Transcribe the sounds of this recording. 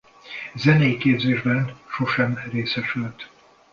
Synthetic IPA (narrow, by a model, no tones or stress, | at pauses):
zɛnɛjikeːbzeːʒbɛnʃo̞ʃɛmreːsɛʃylt̪